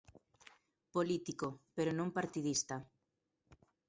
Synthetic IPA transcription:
polit̪ikopeɾonõmpaɾt̪iðist̪a

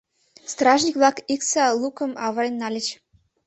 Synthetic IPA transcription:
st̪rɑʒnʲikvlˠɑkiksɑlˠukɤ̆ə̆mɑβɤɾenʲːɑlʲɘ̆t͡ɕ

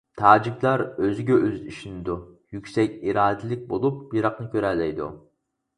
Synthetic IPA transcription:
t̪ʰɑːd͡ʒikʲlˠɑɾøzɪɡʲɛøziʃinɪd̪u | jykʲsɛkʲiɾɑːd̪ɪlɪk̚ʲbolˠup̚biɾɑqnɨkʲʰøɾɛlːɛjd̪ṵ

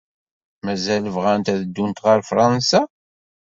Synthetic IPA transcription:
mæzæləvʁænt̪æðəd̪ːunt̪ʁəɾfɾˤɑnsa

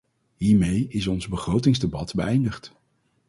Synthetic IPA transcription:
ɦiːɹmejɪs̬ɔnzbəχrowtɪŋzdebɑtbəʔɛjndəχt

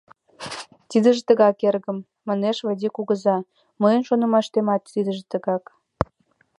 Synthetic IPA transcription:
t̪id̪ə̆ʒet̪əɣɑkerɣə̆mː | ɑneʃβəd̪ʲikuɣəzɑ | məjənʃonə̆mɑʃt̪emɑt̪ːid̪ə̆ʒĕt̪əɣɑk

